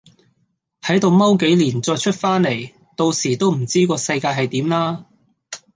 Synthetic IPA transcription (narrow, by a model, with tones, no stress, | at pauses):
hɐ˨˥jt̪o˨wmɐ˥wk̬e˨˥jliː˨˩nt͡sɔː˧jt͡ʃʰɵ˥t̚faː˥nle˨˩j | t̪o˧wsiː˨˩t̪o˥wm̩˨˩t͡siː˥kɔː˧sɐ˧jkaː˧jɦɐ˨jt̪iː˨˥mlaː˥